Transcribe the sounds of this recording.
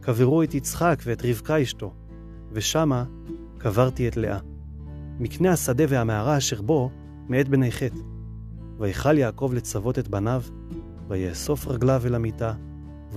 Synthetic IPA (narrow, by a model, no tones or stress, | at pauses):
kaveʁuetit͡sχakveetʁivkaiʃto̞ | ve̞ʃama | kavaʁt̪ietle̞̰ʔa | miknehasade̞vehameaʁaːʃe̞ʁbo̞ | meet̪̚benejχe̞t | vajχaljaːko̞vle̞t͡savo̞tet̚banav | vajeso̞fʁaɡlavelamita | v